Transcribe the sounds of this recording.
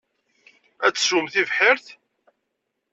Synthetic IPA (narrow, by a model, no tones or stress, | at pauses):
æt͡sːsumθivħɪɾθ